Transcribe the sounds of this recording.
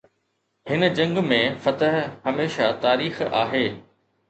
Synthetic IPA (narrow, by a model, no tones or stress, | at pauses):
hɪnə̆d͡ʑɐ̃ŋɡmẽfɐt̪əɦhɐmeːʃat̪aːɾiːxa̰ːɦeː